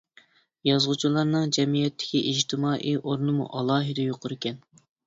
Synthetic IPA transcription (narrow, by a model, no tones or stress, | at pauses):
jɑzʁʊt͡ʃʰulˠɑɾnɨŋd͡ʒɛmijɛt̪ʰːɪ̥kʲiʔid͡ʒt̪ʰɪmɑːʔiʔoɾnɨmṵʔɑlˠɑːɦɨd̪ɛjoqʰʊɾɪkʲɛn